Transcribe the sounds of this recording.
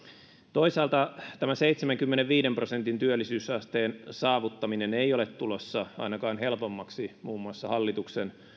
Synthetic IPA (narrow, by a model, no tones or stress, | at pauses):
t̪oisɑːlt̪ɑt̪æmæseit̪semæŋkymːeneʋʋiːdemprosent̪int̪yølːisyːsɑst̪eːnsɑːʋut̪ːɑminenejolet̪t̪ulosːɑɑ̰inɑkɑːnɦelpomːɑksimuːmːuɑsːɑhɑlːit̪uksen